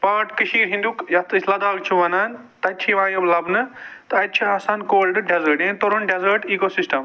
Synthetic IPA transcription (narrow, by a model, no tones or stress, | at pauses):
paːʈkɨʃiːɾɦĩnd̪ukjɐt̪ɨsʰlɐd̪aːɡ̚t͡ʃʰuʋɐnaːn | t̪ɐt̪̚t͡ʃʰiʋãːjɐblɐbnɨt̪ɐt̪̚t͡ʃʰiaːsaːnkoːlɖɨɖezɐːʈẽːnt̪oɾonɖezɐːɾʈiːkosisʈɐm